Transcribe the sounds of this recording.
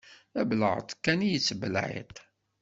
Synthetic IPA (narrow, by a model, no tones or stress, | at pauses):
æblə̰ʁə̰t̪ˤkːænijət͡sːbəlʕḛt̪